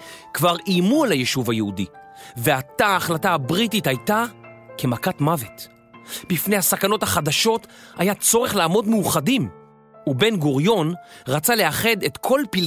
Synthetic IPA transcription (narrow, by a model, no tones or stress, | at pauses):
kvaʁimuelajeʃuvhajehudi | veataːχlataabʁititajta | kemakatmave̞t | bifne̞jhasakano̞thaχadaʃo̞tajat͡so̞ʁeχlaːmo̞dmejuχadim | ube̞nɡuʁjo̞nʁat͡sale̞aχe̞detkʰo̞lpil